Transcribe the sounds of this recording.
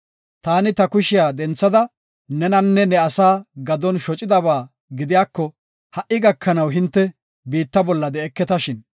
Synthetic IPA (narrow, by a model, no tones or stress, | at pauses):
t̪aːnɪt̪ɐkʊʃɪjaːd̪ɛnt͡sːɐd̪ɐ | nɛnɐnːɛnɛɐsaːɡɐd̪ɔnʃɔt͡ʃʼɪd̪ɐβaː | ɡɪd̪ɪjaːkːɔ | hɐʔːɪɡɐkʰːɐnɐwɦɪnt̪ːɛ | biːt̪ːɐbɔlːɐd̪ɛɛkːɛt̪ɐʃɪn